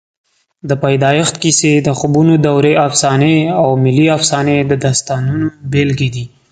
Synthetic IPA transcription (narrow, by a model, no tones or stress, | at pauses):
d̪əpajd̪ɑjɪxt̪kised̪əxʊbunod̪awɾeafsɑneawmɪliafsɑned̪əd̪ast̪ɑnunobelɡed̪i